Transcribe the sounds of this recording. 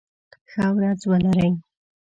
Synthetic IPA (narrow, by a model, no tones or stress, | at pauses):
xawɾad͡zwalaɾaj